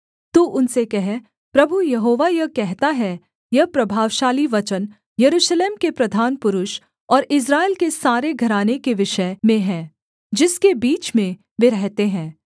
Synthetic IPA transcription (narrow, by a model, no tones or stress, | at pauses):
t̪uʔʊnsekɛɦ | pɾɐbʱujɐɦoːʋajɐɦkɛɦt̪aɦɛ | jɐɦpɾɐbʱaːʋʃaːliʋɐt͡ʃən | jɐɾuːʃleːmkepɾɐd̪ʱaːnpʊɾʊʃ | ɔːɾɪs̬ɾaːeːlkesaːɾeɡʱɐɾaːnekeʋɪʃəmẽɦɛ̃ː | d͡ʒɪskebiːt͡ʃmẽ | ʋeɾɛɦt̪eɦɛ̃ː